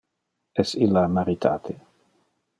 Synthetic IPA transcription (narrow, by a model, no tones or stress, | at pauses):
ɛsilːamaɾit̪ʰa̰ːt̪ʰe